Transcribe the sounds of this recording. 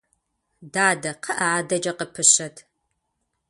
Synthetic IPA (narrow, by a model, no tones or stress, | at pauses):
daːdɐqʰɐʔɐaːdɐd͡ʒɐqəpʰɨɕɐtʰ